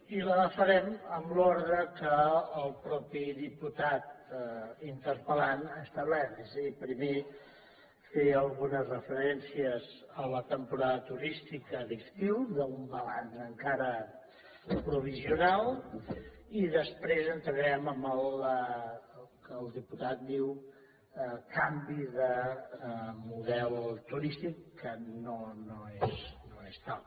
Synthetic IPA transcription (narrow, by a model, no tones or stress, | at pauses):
iləðəfəɾɛməmlɔɾðɾəkəːlˠpɾɔpiðiput̪at̪̚ | int̪əɾpəlanəst̪əβlɛɾt̪ezəðipɾime | feəlˠɣunəzrəfəɾɛnsiəzələt̪əmpuɾaðət̪uɾist̪ikəðist̪iwðəumbəla̰nzəŋkaɾə | pɾuβiziunalˠ | iðəspɾezənt̪ɾəðɛməmələ | kəːlˠðiput̪at̪̚d̪iw | əkambiðə | muðɛlˠt̪uɾist̪ikːənonoesnoest̪al